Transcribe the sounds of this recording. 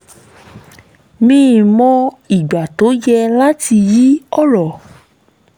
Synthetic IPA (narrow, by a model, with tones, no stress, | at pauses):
mĩ˦˨mɔ̃˧ | i˨ɡ͡ba˨to˨˦jɛ˧la˦ti˧ji˦ɔ˦ɾɔ˨